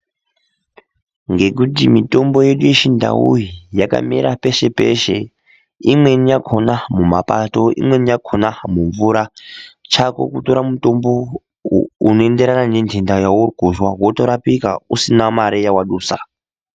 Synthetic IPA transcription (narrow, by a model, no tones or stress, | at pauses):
ŋɡe̞k̬ut̬imito̞mbo̞je̞ɗuje̞ʃinda̰ṵjijaka̰mḭɾape̞ʃe̞pe̞̰ʃe̞ | imwe̞nijakʰonamumapato̞ḭmwe̞nijakʰonamuɱvuɾat͡ʃako̞̰kuto̞ɾamuto̞mbo̞ | ṵno̞ende̞ɾananendʱendajawurɡʱoʒwawoto̞ɾapikausinamaɾejawaɗuːsa